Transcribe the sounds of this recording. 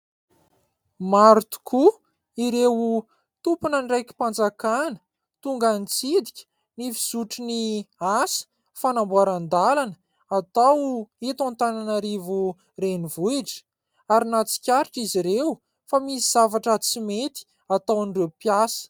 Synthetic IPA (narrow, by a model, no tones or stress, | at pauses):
maɾt̪u̥kʰu | iɾew | t̪upunənirajkʲi̥pand͡zakanə̥ | t̪uŋɡanit͡sid̪ikʲə̥ | nifi̥z̥uʈ͡ʂiniasə̥ | fanambuaɾand̪alanə̥ | at̪awet̪ant̪ananaɾivu | renivuiʈ͡ʂə̥ | aɾinat͡si̥kʲaɾiʈ͡ʂiziɾew | famisiz̥avaʈ͡ʂət͡simet̪i̥ | at̪awnirewpjasə̥